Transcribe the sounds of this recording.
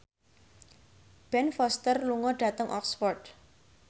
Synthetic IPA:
b̥ɛnfɔst̪ərluŋɔɖ̥a̤t̪əŋʔɔksfɔrt̪̚

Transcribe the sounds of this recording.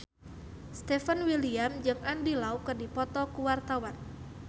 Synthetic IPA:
st̪ɛfanwiliamd͡ʒɨŋandilaukərdipɔt̪ɔkuwart̪awan

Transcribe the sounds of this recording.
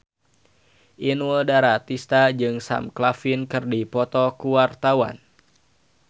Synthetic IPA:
ʔinwəldaɾat̪ist̪ad͡ʒɨŋsa̰mklafinkɨrdipɔt̪ɔkuwart̪awa̰n

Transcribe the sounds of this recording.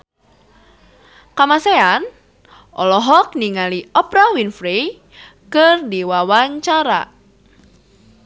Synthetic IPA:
kamasean | ʔɔlɔɦɔk̚niŋaliɔpɾawinfɾi | kɨrdiwawaɲt͡ʃaɾa̰

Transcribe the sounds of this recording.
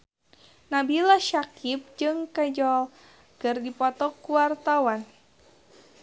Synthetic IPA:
nabilaʃakip̚d͡ʒɨŋkad͡ʒɔl | kɨrdipɔt̪ɔkuwart̪awan

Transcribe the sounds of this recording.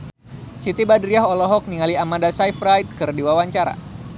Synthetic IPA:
sit̪ibadɾiaɦɔlɔɦɔk̚niŋaliamandasajfɾajd̚kɨrdiwawaɲt͡ʃaɾa̰

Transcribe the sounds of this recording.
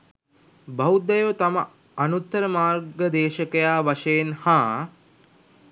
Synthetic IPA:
bawd̪ɐjot̪amə | ɐnut̪ːəɾəmaːrɡəd̪eːʃəkəjaːʋaʃejenhaː

